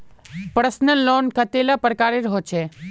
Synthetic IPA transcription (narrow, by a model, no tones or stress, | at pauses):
pɾəsnəllːonkət̪elapɾəkaːɾeɾəɦot͡ʃʰe